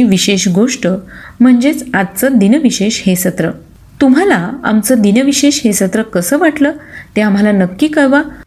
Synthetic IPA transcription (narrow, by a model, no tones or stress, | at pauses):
ʋiɕeɕɡoʂʈəm̤əɳd͡zet͡sad̪̚t͡səd̪inəʋiɕeɕhesət̪ɾə | t̪um̤alaa̰mt͡səd̪inəʋiɕeɕɦesət̪ɾəkəsəːʋaʈləːt̪eamɦalanəkːiːkəɭʋa